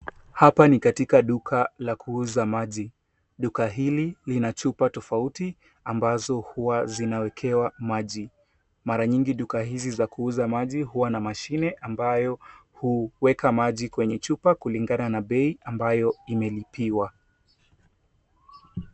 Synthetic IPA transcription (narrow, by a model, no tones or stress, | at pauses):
hapanikatikaɗukʰalakʰuuzamaʄi | ɗukaɦililinat͡ʃupatɔfauti | ambazɔhuwazinawɛkʰɛwamaʄi | maɾaɲiŋɡiɗukahizizakuuzamaʄiɦuwanamaʃinɛʔambajɔhuwɛkamaʄikwɛɲɛt͡ʃupakuliŋɡananaɓɛiʔambajɔimɛlipʰiwa